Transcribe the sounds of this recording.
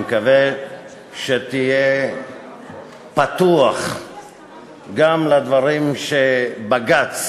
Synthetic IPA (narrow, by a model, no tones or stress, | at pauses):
kave | ʃet̪ije | pat̪uaχ | ɡamlad̪vaʁimʃebaɡat͡s